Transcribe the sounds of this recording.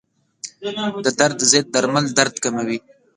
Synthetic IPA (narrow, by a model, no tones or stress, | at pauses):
d̪əd̪aɾd̪zet̪̚d̪ːaɾmald̪aɾd̪kamawi